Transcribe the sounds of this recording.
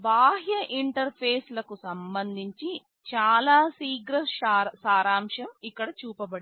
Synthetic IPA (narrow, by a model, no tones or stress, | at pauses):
bʱaːɦjɐʔiɳʈɐɾpʰeːslɐkusɐmbɐnd̪ʱiɲt͡ʃi | t͡ʃaːlaːsiːɡɾɐsaːɾaːmʂɐmikːɐɽɐt͡ʃuːpɐbɐɽi